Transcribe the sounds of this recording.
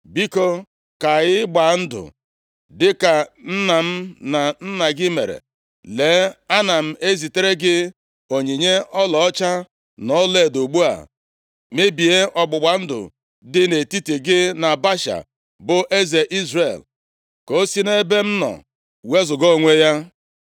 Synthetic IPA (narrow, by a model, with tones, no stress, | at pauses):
bi˦ko˨ | ka˨ɣɪ˦ɡ͡ba˨n̩˦dʊ̰˨ | dɪ˦ka˨n̩˦na˨m̩˦na˨n̩˦na˨ɡɪ˦mḛ˨ɾḛ˨ | le˨˦a˦na˨m̩˦e˦zi˨te˦ɾe˦ɡɪ˦ | o˨ɲi˨ɲe˦ʔɔ˦lɔ˨ɔ˦t͡ʃa˦ | nɔ˦le˦˨do˨ɡ͡bu˦a̰˨ | me˦bi˨e˦ʔɔ˨ɡ͡bʊ˨ɡ͡ba˨n̩˦dʊ̰˨ | dɪ˦ne˨ti˦ti˨ɡɪ˦na˨ba˦ʃa̰˨ | bʊ˨ʔe˦ze˨ʔi˦zrḛ˨l | ko˦si˦ne˦be˦m̩˦nɔ̰˨ | we˦zʊ˨ɡo˦˨ŋʷe˦ja˦